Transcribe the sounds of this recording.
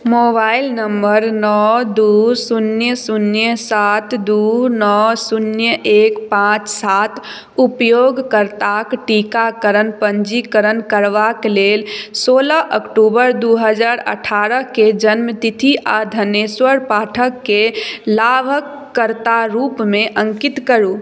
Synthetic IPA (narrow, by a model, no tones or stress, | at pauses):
mobailnəmbəɾnɔd̪usunjəsunjəsat̪ʰd̪unɔsunjəʔekpãt͡ʃsat̪ʰ | upjoɡkəɾt̪akʈikakəɾənpənd͡ʒikəɾənkəɾʋaklelsoləʔəkʈubəɾd̪uɦəd͡ʒaɾə̰ʈʰaɾəɦked͡ʒənmət̪it̪ʰiʔad̪ʱəneswəɾpaʈʰəkːelabʱəkːəɾt̪aɾupmeʔəŋkit̪kəɾu